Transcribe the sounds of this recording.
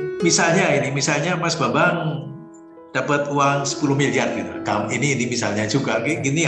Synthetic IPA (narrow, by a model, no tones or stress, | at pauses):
misalɲainimisalɲamasbabaŋ | d̥apət̪uaŋsə̥puluhmiliardit̪ṵkaminiːnimisa̰lɲad͡ʒuɡaɡɛɡini